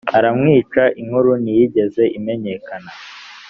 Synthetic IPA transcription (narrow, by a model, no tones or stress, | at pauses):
aɾamŋiːt͡ʃaʔiŋhuɾunijiɟe̞ze̞ʔime̞ɲe̞kana